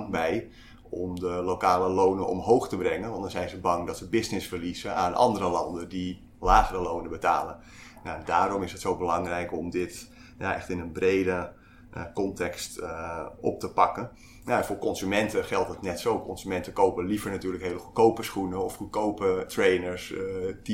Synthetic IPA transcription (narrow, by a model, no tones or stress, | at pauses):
bɛj | ɔmdəlokaːləlownənʔɔ̰mɦowχtəbrɛŋənʋɑndɑnzɛjnzəbɑŋdɑtsəbɪznɪsfərlizəaːnʔɑ̰ndərəlɑ̰ndəndi | laːχərəlownəbəta̰ːlə | njandaːɾɔmɪsətsowbəlɑŋrɛjkɔmdɪt | ja̰ʔɛ̰χtɪnənbrejdə | kɔntɛkst | ɔ̰p̚təpɑkən | jaɛnfoːɹkɔnzymɛntəχɛlˠtətnɛtsowkɔnsymɛntəkowpəlivəɹnatyːɹləkɦejləχukowpəsχunəɔfχukowpətrejnəɹsti